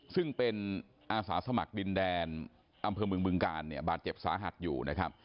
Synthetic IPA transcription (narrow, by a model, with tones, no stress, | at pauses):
sɯ˥˩ŋpe˧n | ʔaː˧saː˩˦sa˧ma̰˨˩k̚di˧ndɛː˧n | ʔa˧mpʰɤː˧mɯ˧əŋmɯ˧əŋkaː˧nːi˥˩ɐbaː˨˩t̪̚t͡ɕe˨˩p̚sa̰ː˩˦ɦa̰˨˩t̪̚jṵː˨˩na˦˥kʰa˦˥p̚